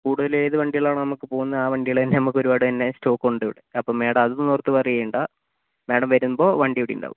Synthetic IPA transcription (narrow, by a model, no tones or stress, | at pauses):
kuːɽuðɐlejðɨʋɐɳɖijɐɭaːɳɐnɐmukːɨpo̞ːɣunːɐaːʋɐɳɖijɐɭt̪ɐnːenɐmukːo̞ɾubaːɽɨt̪ɐnːe̞sto̞ːkːuɳɖiʋiɽeɐpːoːme̞ːɽɐmɐðunːnuːrt̪ːɨʋɐrijɐjuɳɖa | meːɽɐmʋɐɾunːbo̞ːʋɐɳɖijɐʋiɽijṵɳɖa̰ːʋu